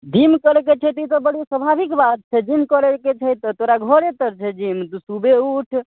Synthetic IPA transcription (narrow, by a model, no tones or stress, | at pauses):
d̪ʱimkəɾɛket͡ʃʰət̪it̪ɔbəɽ̤isəbʱabikbat̪̚t͡ʃʰɛd͡ʒimkəɾeket͡ʃʰəjt̪ːɔt̪oɾaɡʱɔɾet̪əɾt͡ʃʰɛd͡ʒimt̪usubeuʈʰ